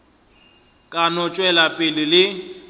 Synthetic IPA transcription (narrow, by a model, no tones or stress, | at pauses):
kʼanɔt͡ʃʼwɛlapʼɪlɪlɪ